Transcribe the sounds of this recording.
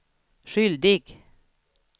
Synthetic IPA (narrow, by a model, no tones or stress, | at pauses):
ʃʏld̪ɪɡ̥